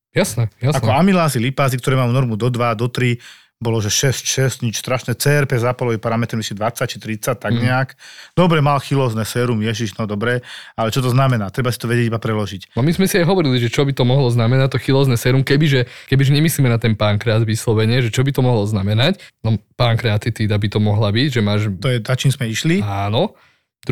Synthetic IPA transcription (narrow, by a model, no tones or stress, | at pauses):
jasnɛjasanɔamilaːzilipaːzikt̪ɔɾɛmamunɔɾmud̪ɔd̪ʋad̪ɔt̪ɾi | bɔlɔʒɛʃɛscʃɛscɲit͡ʃst̪ɾaʃnɛt͡sɛːɛɾpɛzaːpalɔʋipaɾamɛt̪ɾɛmisid̪ʋat͡sːac̚t͡ʃi̥t̪ɾit͡sac̚t̪aɡɲɛakd̪̥ɔbɾɛmalxilɔznɛsɛɾumjɛʒiʒnɔd̪ɔbɾɛalɛt͡ʃɔt̪ɔznamɛnaːt̪ɾɛbasit̪ɔʋɛɟjɛɟibapɾɛlɔʒicnɔmizmɛsiajɦɔʋɔɾiliʒɛt͡ʃɔbit̪ɔmɔɦlɔznamɛnac̚t̪ɔxilɔznɛsɛɾumkɛbiʒɛkɛbiʒɛɲɛmisliːmɛnat̪ɛnpaːŋkɾɛaːd̪ʋislɔʋɛɲɪɛʒɛt͡ʃɔbit̪ɔmɔɦlɔznamɛnacnɔpaːŋkɾɛat̪it̪iːd̪abit̪ɔmɔɦlabiɟʒɛmaːʒt̪ɔjɛzat͡ʃinzmɛiʃliaːnɔ